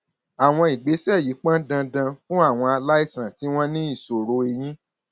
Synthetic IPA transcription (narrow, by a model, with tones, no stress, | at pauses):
a˨w̃ɔ̃˧i˨ɡ͡be˨˦sɛ˦˨ji˨˦k͡pã˦dã˧dã˧fũ˦a˦˨w̃ɔ̃˧a˧la˦i˦˨sã˨ti˨˦w̃ɔ̃˦nĩ˦i˦˨so˨ɾo˨˧˦e˧j̃ĩ˦